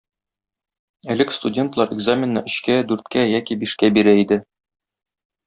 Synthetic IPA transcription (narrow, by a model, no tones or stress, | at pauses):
ælɘkst̪udʲe̞nt̪lˠɑɾɪɡzamʲɪnːɑ̰ɵ̆ɕkæd̪ʉɾt̪kæjækibiʃkæbiɾæid̪ɘ